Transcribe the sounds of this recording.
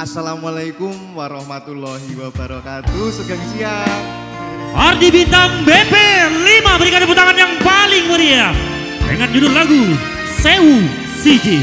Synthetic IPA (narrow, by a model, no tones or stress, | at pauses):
ʔasalamalajkumwaɾɔhmat̪ulːɔɦiwabaɾɔkat̪usəɡaŋsia | hardibint̪aŋbepelimabəɾikadaəput̪aŋanjaŋpalɪŋməɾia | də̰ŋan̚d͡ʒudʊlaɡu | seu | sid͡ʒi